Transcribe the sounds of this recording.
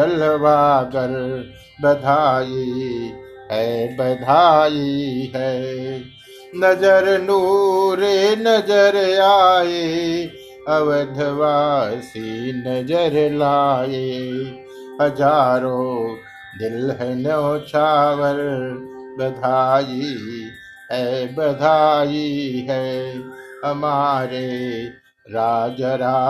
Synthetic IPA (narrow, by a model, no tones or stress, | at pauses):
ɐlʋaːɡəɾ | bəd̪ʱaːji | ɦɛbəd̪ʱaːjiɦɛ | nɐd͡ʒəɾnuɾenəd͡ʒəɾjaːe | ɐʋəd̪ʱəʋaːsinɐd͡ʒəɾlaːe | ɦɐd͡ʒaːɾõ | d̪ɪlɦɛnot͡ʃʰaːʋəɾ | bəd̪ʱaːji | ɦɛbəd̪ʱaːjiɦɛː | ɦəmaːɾe | ɾaːd͡ʒəɾa